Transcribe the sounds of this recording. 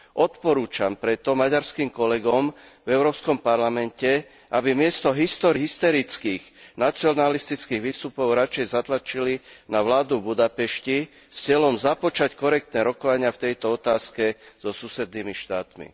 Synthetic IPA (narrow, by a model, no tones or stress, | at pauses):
ʔɔt̪pɔɾuːt͡ʃampɾɛt̪ɔmaɟaɾskiːmkɔlɛɡɔmvɛʊɾɔːpskɔmpaɾlamɛncɛ | ʔabimɪɛst̪ɔɦist̪ɔɾɦist̪ɔɾit͡skiːɣnat͡siɔnalist̪it͡skiːɣʋiːst̪upɔʊɾat͡ʃɛjzat̪lat͡ʃilinaʋlaːd̪ubud̪apɛʃci | st͡sɪɛlɔmzapɔt͡ʃackɔɾɛk̚t̪nɛːɾɔkɔʋaɲɪaft̪ɛjt̪ɔɔt̪aːskɛz̥ɔsusɛd̪niːmiʃt̪aːt̪mḭ